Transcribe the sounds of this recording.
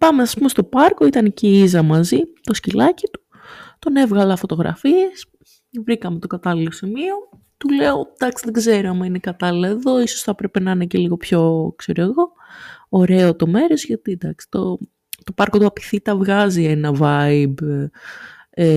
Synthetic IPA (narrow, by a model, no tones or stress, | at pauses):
pɐmeɐspumest̪o̞pɐɾko̞it̪ɐneciizɐmɐzit̪o̞scilɐcit̪u̥ | t̪o̞ne̞vɣɐlɐfo̞t̪o̞ɣɾɐ̰fie̞s | vɾikɐme̞t̪o̞kɐt̪ɐlilo̞simio̞ | t̪uleod̪̥ɐksiðeɡze̞ɾoɐmɐinekɐt̪ɐlilɐeðo̞isosθɐpɾe̞pe̞nɐneceliɣo̞pço̞kse̞ɾoeɣo̞ː | ɾe̞ot̪o̞me̞ɾo̞zʝɐt̪id̪ɐksi̥t̪o̞ | t̪o̞pɐɾkot̪uɐpi̥θit̪ɐvɣɐzie̞nɐvɐib | e